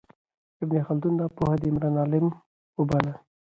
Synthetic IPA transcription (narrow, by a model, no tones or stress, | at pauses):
ɪbnexald̪und̪apohad̪iɪmɾɑːnɑlɪm | ʊbala